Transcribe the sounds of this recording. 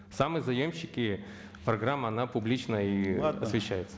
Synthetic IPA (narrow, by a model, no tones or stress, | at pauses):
samɨzɐjomɕːɪkʲɪ | pɾɐɡɾamːəɐnapʊblʲit͡ɕnəiɐ̰svʲɪɕːæjɪt̪sə̥